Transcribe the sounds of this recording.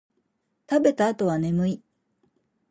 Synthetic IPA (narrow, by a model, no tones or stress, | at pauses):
t̪abe̞t̪aːt̪o̞βane̞mɯ̟i